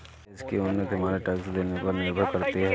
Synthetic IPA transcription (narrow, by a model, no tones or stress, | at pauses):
ɪskeʊnːət̪ɦɐmaːɾeʈɛksd̪eːnepɐɾnɪɾbʱəɾkɐɾt̪eɦɛ